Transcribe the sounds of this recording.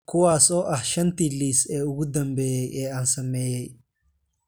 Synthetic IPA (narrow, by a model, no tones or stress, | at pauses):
kʰʊwaːsɔːʔɐhʃɐnt̪ʰiliːsɛːʊɣʊd̪ɐmbɛːjɛjʔɛːaːnsɐmɛːjɛj